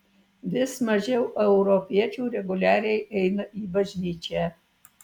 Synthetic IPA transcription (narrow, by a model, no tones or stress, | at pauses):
ʋʲɪsmɐʒʲɛʊʔɛʊɾɔpʲiɛt͡ʃʲuːɾʲɛɡʊlʲæːɾʲɛɪʔɛɪnɐʔiːbɐʒʲnʲiːt͡ʃʲæː